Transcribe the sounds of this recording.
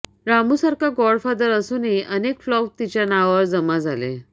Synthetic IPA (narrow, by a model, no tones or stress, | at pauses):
ɾamusaɾkaɡɔɽfad̪əɾəsuniʔənekflɔk̚t̪it͡ɕjanaʋʋəɾd͡zəmad͡zalḛ